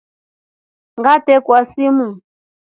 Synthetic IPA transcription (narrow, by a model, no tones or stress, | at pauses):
ŋɡatɛkwasimu